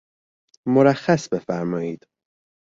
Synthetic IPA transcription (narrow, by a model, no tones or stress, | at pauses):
moɾæxːæsbe̞fæɾmɒːjiːd̪̥